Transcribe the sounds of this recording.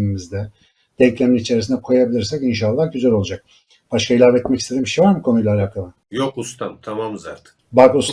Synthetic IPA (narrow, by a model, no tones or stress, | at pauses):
imizd̪ɛ | d̪̥ɛɲclʲeminit͡ʃʰe̞ɾis̬ind̪ɛkʰuajabilʲiɾsɛcinʃalˠːahɟyzælo̞lˠud͡ʒak̚ | b̥aʃkʰailʲˠavet̪mɛcist̪e̞d̪imbiʃejvaɾmɯkʰo̞nujlˠaːlaːkʰalˠɯ | jokust̪ʰamt̪ʰamamza̰ɾt̪ɯ̥kbakus